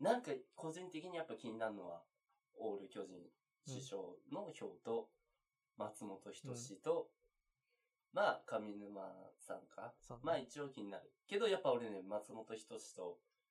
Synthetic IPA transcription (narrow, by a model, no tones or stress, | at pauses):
nãŋkako̞ʑĩnt̪e̞kʲiɲ̟ijapːakʲiɲ̟inaɾɯ̟no̞βa̰ | o̞ːɾɯ̟kʲo̞ʑḭ̃ɰ̃ | ɕɨɕo̞̰ːno̞ço̞ːt̪o̞ | mat͡sɨmo̞t̪o̞çi̥t̪o̞ɕit̪o̞ | maːkamʲinɯma̰sã̰ŋkʰamaːit͡ɕiokʲiɲina̰ɾɯ̟ke̞d̪o̞japːao̞ɾe̞nemat͡sɨmo̞t̪o̞çi̥t̪o̞ɕi̥t̪o̞